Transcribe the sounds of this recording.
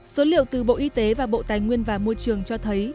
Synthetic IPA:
so˨˦lḭ˧˨əwt̪ɨ˨˩ɓo̰˧˨ʔi˧t̪e˨˦vaː˨˩ɓo̰˧˨t̪aː˨˩jŋwi˧ənvaː˨˩mo˧jt͡ɕɨ˨˩əŋt͡ɕɔ˧t̪ʰə˨˦j

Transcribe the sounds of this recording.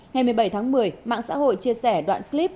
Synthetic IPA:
ŋa˨˩jmɨ˨˩əjɓə˧˩jt̪ʰa˨˦ŋmɨ˨˩əjma̰ː˧˨ŋsa̰ː˧˥ɦo̰˧˨jt͡ɕi˧əsɛ˧˩ɗwa̰ː˧˨nkli˦˥p̚

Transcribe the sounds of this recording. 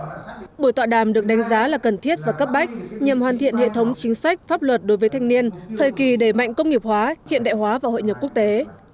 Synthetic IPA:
ɓu˧˩ət̪wa̰ː˧˨ɗaː˨˩mɗɨ˨˩ək̚ɗa˨˦jŋ̟zaː˨˦laː˨˩kə˨˩nt̪ʰi˦˥ət̚vaː˨˩kə˦˥p̚ɓa˦˥jk̟̚ɲə˨˩mhwaː˨˩nt̪ʰḭ˧˨ənhḛ˧˨t̪ʰə˨˦wŋ͡mt͡ɕï˨˦ŋ̟sa˦˥k̟̚faː˦˥p̚lwə˨˩t̚ɗo˨˦jvə˨˦t̪ʰŋ̟ni˧ənt̪ʰəː˨˩jki˨˩ɗe˧˩ma̰˧˨jŋ̟kə˧wŋ͡mŋi˨˩əp̚hwaː˨˦hḭ˧˨ənɗa̰ː˧˨jɦwaː˨˦vaː˨˩ho̰˧˨ɲə˨˩p̚ku˦˥ək̚t̪e˨˦

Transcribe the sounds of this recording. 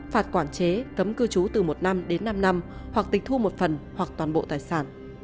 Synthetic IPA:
faː˨˩t̚kwaː˧˩nt͡ɕe˨˦kə˨˦mkɨ˧t͡ɕu˨˦t̪ɨ˨˩mo˨˩t̚na˧mɗe˨˦nːa˧mna˧mhwa˨˩k̚t̪ï̟˨˩t̪ʰu˧mo˨˩t̚fə˨˩nhwa˨˩k̚t̪waː˨˩nɓo̰˧˨t̪aː˨˩jsaː˧˩n

